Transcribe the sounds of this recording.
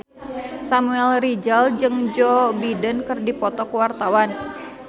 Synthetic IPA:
samuɛlrid͡ʒald͡ʒɨŋd͡ʒɔbidənkərdipɔt̪ɔkəwart̪awan

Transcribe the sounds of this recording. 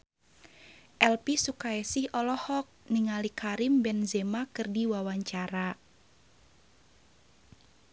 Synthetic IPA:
ʔɛlpisukaɛsihɔlɔhɔk̚niŋalikaɾimbɛnzɛmakɨrdiwawaɲt͡ʃaɾa

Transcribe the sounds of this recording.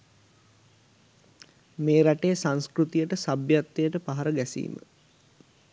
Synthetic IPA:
meːɾaʈejsãŋskɾut̪ijəʈəsabjat̪ːejəʈəpaɦaɾəɡɛsḭːmə̰

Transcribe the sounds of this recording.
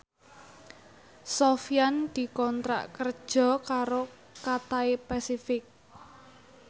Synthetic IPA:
sofijand̪̥i̤kɔnt̪ɾa̰ʔkərd̥ʒ̥ɔ̤kaɾo | kat̪aepasifɪk̚

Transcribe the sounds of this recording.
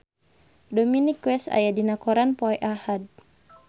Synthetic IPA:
dɔminikːwɛsa̰jadinakɔɾanpɔɛʔahad̪̚

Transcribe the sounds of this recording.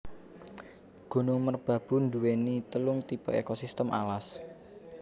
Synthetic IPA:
ɡ̥o̤nuŋmərb̥ä̤b̥ʊ̤nd̪uwenit̪əlʊŋt̪ipɔekosist̪əmʔalas

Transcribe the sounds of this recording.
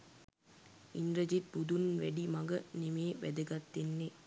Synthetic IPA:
ind̪ɾɐd͡ʒit̪̚bud̪unʋeɖimɐɡɐnimeːʋɛ̰d̪ɐɡɐt̪ːinːe

